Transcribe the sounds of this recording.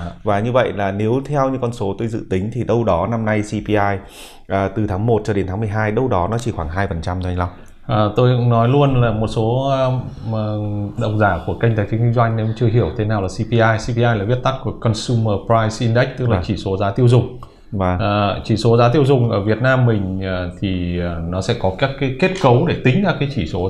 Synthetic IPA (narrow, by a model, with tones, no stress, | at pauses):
vaː˨˩ɲɨ˧və̰˧˨jlaː˨˩ne˨˦wt̪ʰɛ˧wɲɨ˧kɔ˧nso˨˦t̪o˧jzɨ̰˧˨t̪ï˨˦ŋ̟t̪ʰi˨˩ɗə˧wɗɔ˨˦na˧mna˧jsi˧pi˧ʔaː˧j | ʔəː˨˩t̪ɨ˨˩t̪ʰaː˨˦ŋmo˨˩t̚t͡ɕɔ˧ɗe˨˦nt̪ʰaː˨˦mɨ˨˩əjɦaː˧jɗə˧wɗɔ˨˦nɔ˨˦t͡ɕi˧˩xwaː˧˩ŋɦaː˧jfə˨˩nt͡ɕa˧mzŋla˧wŋ͡m | ʔəː˨˩t̪o˧jkŋnɔ˨˦jlu˧ənlaː˨˩mo˨˩t̚so˨˦˧ | ɗə̰˨˩wŋ͡m̚zaː˧˩ku˧˩əkə˧jŋ̟t̪aː˨˦jfi˨˦ŋwi˧ŋzwa˧jŋ̟nɛ˨˧˦m˩t͡ɕɨ˧əɦi˧˩əwt̪ʰe˨˦naː˨˩wlaː˨˩si˧pi˧ʔaː˧jsi˧pi˧ʔaː˧jlaː˨˩vi˦˥ət̚t̪a˦˥k̚ku˧˩əkɔ˧nsu˧məː˧˩pɾaː˧jsʔi˧nɗɛ˦˥k̚t̪ɨ˦˥k̚laː˨˩t͡ɕi˧˩so˨˦zaː˨˦t̪i˧əwzʊ˨˩ŋ͡mː | t͡ɕi˧˩so˨˦zaː˨˦t̪̬i˧əwzʊ˨˩ŋ͡mʔə̰ː˧˩vi˨˩ət̚naː˧mːï˨˩ŋ̟ː˨˩t̪ʰiː˨˩˨nɔ˨˦sɛ̰˧˥kɔ˨˦kaː˦˥kːaː˨˦jke˦˥t̚kə˨˦wɗe˧˩t̪ï˨˦ŋ̟zaː˨˩kaː˨˦jt͡ɕi˧˩so˨˦